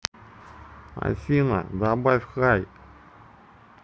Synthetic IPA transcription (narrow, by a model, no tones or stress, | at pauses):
a̰sʲina̰d̪abafʲxaj